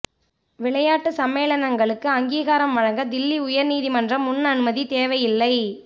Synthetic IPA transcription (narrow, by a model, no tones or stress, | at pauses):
ʋɪɭɐjaːʈːɯsɐmːeːlɐnɐŋɡɐɭɯkːɯɐŋɡiːɣaːɾɐmʋɐɻɐŋɡɐd̪ɪlːiʊjɐɾniːðimɐndrɐmːʊnːɐnɯmɐðit̪eːʋɐjɪlːɐɪ